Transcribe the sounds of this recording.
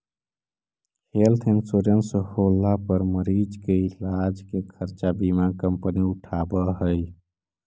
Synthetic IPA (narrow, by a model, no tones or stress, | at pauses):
kʰelt̪ʰeŋsoɾjənsəholːapəɾməɾid͡ʒkeilad͡ʒkekʰəɾt͡ʃabimakəmpəniuʈʰabəɦəj